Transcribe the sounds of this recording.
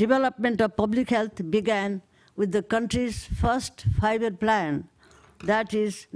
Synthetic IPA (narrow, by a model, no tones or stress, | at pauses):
ɖ̥iʋɛləpmẽɳʈɔʋpʌblikhɛlt̪ʰbiɡæ̃n | wɪd̪ːəkʌ̃ɳʈɾizfʌɾsʈfaɪbəɾplæ̃n | d̪æʈiz